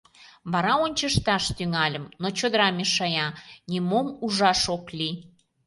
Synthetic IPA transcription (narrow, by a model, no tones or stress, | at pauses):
βɑɾɑonʲt͡ɕəʃt̪ɑʃt̪yŋɑlʲəmnot͡ɕod̪əɾɑmeʃɑjɑnʲimomuʒɑʃoklʲi